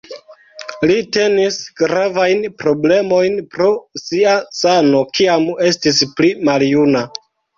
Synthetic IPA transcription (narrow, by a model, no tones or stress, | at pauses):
lite̞nisɡ̥ɾavajnpɾo̞ble̞mo̞jnpɾo̞siasano̞kiame̞stisplimaljuna